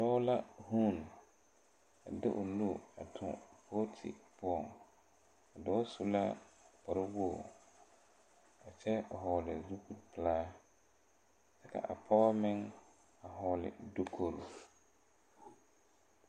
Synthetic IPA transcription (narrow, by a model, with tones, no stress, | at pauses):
dɔː˦la˦hu˦˨n˨ | a˨dɪ˦ʔʊ˨nu˦˨a̰˨tʰʊ̰̃˨pʰoː˦tʰɪ̰˨pʊ˦ɔ˨ŋ | a˨dɔː˦sʊ˦la˦pa˨ɾɪ˦wo˦˨ | a˨t͡ʃɛ˦a˨ɦɔː˨lɪ˨zu˦ku˨pɪ˨laː˦ | sɛ˦ka̰˨ʔa˨pʰɔ˦mɪ˦ŋ | a˨hɔː˦lɪ̰˨do˦kʰo˨ɾu˨